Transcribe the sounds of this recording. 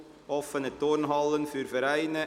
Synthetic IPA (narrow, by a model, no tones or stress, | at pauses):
ʔɔfənət̪oːɾnɦɑlːənfyːɾfəɾæɪnə